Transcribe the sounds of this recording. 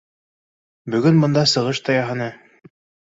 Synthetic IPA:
bɵ̆ɡɵnbɤ̆nd̪ɑsɤ̆ʁɤʃt̪ɑjɑɦɤ̆nɤ

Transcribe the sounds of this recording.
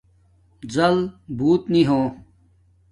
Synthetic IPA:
zɐlbuːt̪niɦõː

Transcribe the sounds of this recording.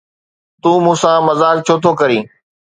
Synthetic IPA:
t̪ũːmũːsãːmɐzaːk̚t͡ɕʰoːt̪ʰoːkɐɾĩː

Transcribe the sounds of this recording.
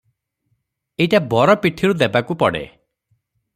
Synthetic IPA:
eiʈabɔɾɔpiʈʰiɾud̪ebakupɔɽḛ

